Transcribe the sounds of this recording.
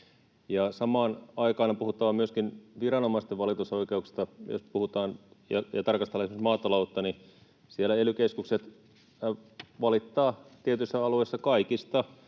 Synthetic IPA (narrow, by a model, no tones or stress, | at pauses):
jɑsɑmɑːnɑikɑːnɑpuhut̪ːɑːmyøskinʋirɑnomɑist̪eʋɑlit̪usoikeuksi̥st̪ɑjo̰spuhut̪ɑːnjɑ̰jɑ̰t̪ɑrkɑst̪elːɑesimsmɑːt̪ɑlout̪ːɑni | sielːæelykeskukset̪ | ʋɑlit̪ːɑːt̪iet̪ysːæɑluesːɑkɑikist̪ɑ